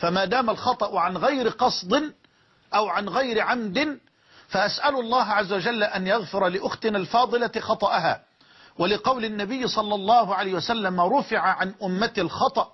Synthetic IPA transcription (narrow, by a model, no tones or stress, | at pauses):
famaːd̪aːmalxɑt̪ˤɑʔʊʕanɣajɾɪqɑsˤd̪ˤɪn | ʔawʕanɣajɾɪʕamd̪ɪn | faʔasʔalʊɑlˤːɑːɦʕazːawad͡ʒalːʔanjaɣfɪɾˤɑlɪʔʊxt̪ɪnalfɑːd̪ˤɨlaxɑt̪ˤɑʔaɦa̰ː | walɪqɑwlɪnːabɪjːsˤɑlːɑlˤːɑːhʊʕalajːhɪwasalːamɾˤʊfɪʕaʕanʔʊmːat̪lxɑt̪ˤɑʔ